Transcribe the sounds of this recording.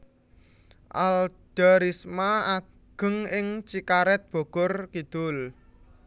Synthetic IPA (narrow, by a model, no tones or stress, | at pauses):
ʔald̥aɾismaa | ɡ̥ə̤ŋɪŋt͡ʃikaɾɛt̪̚b̥o̤ɡ̥ʊrkid̪̥ʊl